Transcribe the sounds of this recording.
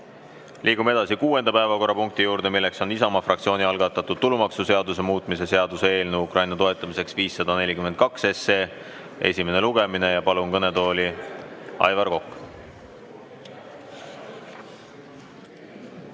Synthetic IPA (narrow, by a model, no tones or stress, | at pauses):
lʔiːɡ̥ume̞d̪̥ɑsikuːe̞nd̪ɑpæe̞vɑko̞rːɑpuŋk̚t̪ijuːɾd̪̥e̞milːe̞kso̞nisɑmɑfrʔɑk̚t̪sio̞ːnʲiɑlɡ̥ɑt̪ːˑɑt̪ːˑud̪̥̚t̪ulumɑksuse̞ɑd̪us̬e̞muːt̪ˑmise̞se̞ɑd̪̥usee̞ːlnuukrʔɑjnɑt̪o̞e̞t̪ːˑɑmise̞ksviːsːɑd̪̥ɑne̞lʲikymend̪̚kɑkse̞se | e̞̰sʲime̞ne̞luɡe̞mine̞jɑpɑlunkɤne̞t̪o̞ːli | ɑ̰jvɑrko̞kː